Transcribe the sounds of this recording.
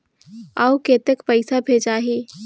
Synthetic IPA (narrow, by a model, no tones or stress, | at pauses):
aːukeːt̪ekpəɪsabʱeːd͡ʒaːɦiː